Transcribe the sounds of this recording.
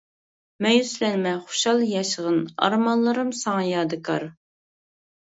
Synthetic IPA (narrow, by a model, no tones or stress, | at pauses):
mɛjyslɛnmɛχʊ̥ʃɑlˠjɑʃəʁənɑ̰ɾmɑnlˠɨɾɨmsɑŋɑjɑːd̪ɨkʰɑ̰ɾ